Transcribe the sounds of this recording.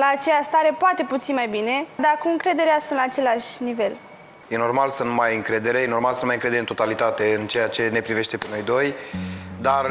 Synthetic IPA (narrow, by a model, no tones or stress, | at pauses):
laːt͡ʃejast̪aɾe̞poat̪e̞put̪sinmajbine̞d̪akuɨŋkɾe̞d̪e̞ɾeasunt̪laːt͡ʃe̞leaʃʲnive̞l | je̞no̞rmalsunmajɨŋkɾe̞d̪e̞ɾe̞jeno̞rmalsənmajɨŋkɾed̪eent̪ot̪alit̪at̪e̞ɨnt͡ʃe̞jat͡ʃe̞ne̞pɾive̞ʃt̪e̞pe̞no̞jd̪o̞j | d̪ar